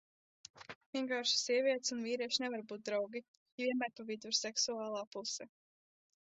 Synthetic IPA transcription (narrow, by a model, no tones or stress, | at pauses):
viɛŋkaːɾʃi̥sʲiɛviɛt̪sunviːɾiɛʃnɛvaɾbuːt̪̚d̪ɾawɡi | jviɛnmæːɾpavid̪uɾsɛksuaːlˠaːpusɛ